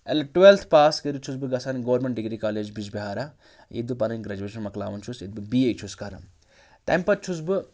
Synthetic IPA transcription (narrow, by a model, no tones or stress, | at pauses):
ɐlɐʈwelt̪ʰpaːskəɾut͡ʃʰusbɨɡɐsaːnɡɐʋɐɾmẽɳʈ̚ɖiɡɾikaːleːd͡ʒbid͡ʒbʲiɦaːɾa | jḛd̪bɨpɐnɐnɡɾɐd͡ʒueːʃɐnmɐkla̰ːʋɐnt͡ʃʰusit̪̚bɨbiːejt͡ʃʰuskaɾɐ̰n | t̪ɐ̰mpɐt̪̚t͡ʃʰus̬bɨ